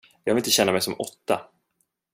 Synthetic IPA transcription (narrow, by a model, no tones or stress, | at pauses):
jɑɡvlɪt̪əɕɛnːamɛjsɔmɔt̪ːa